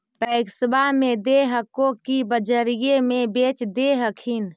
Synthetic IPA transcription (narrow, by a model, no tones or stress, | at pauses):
p̪əɪksbamed̪eɦəkokibəd͡ʒəɾijemebet͡ʃd̪eɦəkʰin